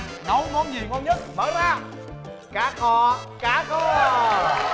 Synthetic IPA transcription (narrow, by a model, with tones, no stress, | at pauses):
nɔ˨˦wŋɔ˧˦ɲi˨˩wŋɔ˧nɲə˦˥t̚ɓəː˨˦maː˧˩ | kaː˨˦kʰɔ˧˩ | kaː˨˦kɔ˧˩˧